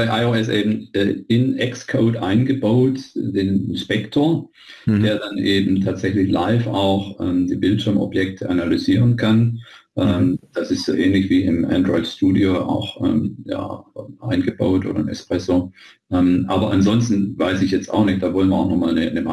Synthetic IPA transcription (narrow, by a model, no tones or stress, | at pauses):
b̥aɪʔaɪoɛsʔeːbm̩ʔɛːɪnʔɛkskʰoʊtʔaɪnɡəbaʊtd̥eːnnʃpɛktʰoɐ | d̥eːɐdanʔeːbm̩tʰaːtz̥ɛçlɪçla̰ɪfaʊxʔɛ̰ːmdiːbɪltʃɪɐmʔɔ̰bjɛk̚tʰəʔanalyziːʁənkʰanʔɛːmd̥asɪstz̥oːʔɛːnlɪçv̥iːɪmʔa̰ndʁɔʏɪtʃtuːdioa̰ʊxʔɛ̰ːmja̰ːɛʔaɪnɡəba̰ʊtʔo̰ːɾdɐ̰ɪmɛ̰spʁ̥ɛsoː | ʔɛːmʔaːbɐʔanzɔnstn̩vaɪsɪçjɛt͡sta̰ʊxnɪçt̚d̥aːvɔlənviɐaʊxnɔχmaːlnənəma